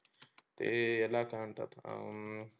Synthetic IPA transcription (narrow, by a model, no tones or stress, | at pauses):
t̪ḛelakaɳt̪a̰t̪